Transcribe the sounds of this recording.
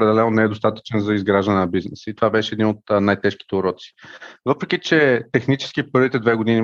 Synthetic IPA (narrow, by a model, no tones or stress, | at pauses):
ɾɛd̪ɛlɛnonɛɛd̪ost̪at̪ə̥t͡ʃɛnzɐizɡɾaʒd̪ənɛnɐbiznɛsəit̪ovabɛʃɛːd̪inot̪najt̪ɛʃki̥t̪ɛʊɾɔt̪si̥vɤpɾɛk̟ʲit͡ʃɛt̪ɛxnit͡ʃɛ̥sk̟ipɤɾvit̪ɛd̪vɛɡod̪ini